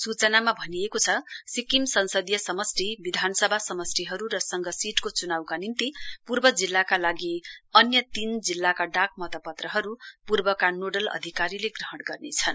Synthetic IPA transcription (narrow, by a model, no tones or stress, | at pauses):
sut͡sʌnamabʱʌnijekot͡sʰʌsikimsʌnsʌd̪jʌsʌmʌsʈibid̪ʱanʌsʌbʱasʌmʌsʈiɦʌɾuɾʌsʌŋɡʌsiʈkot͡sunawkanint̪ipurbʌd͡zilːakalaɡiʌnjʌt̪ind͡zilːakaɖak̚mʌt̪ʌpʌt̪rʌɦʌɾupurbʌkanoɖʌlʌ̰d̪ʱikaɾileɡrʌɦʌɽɡʌrnet͡sʰʌn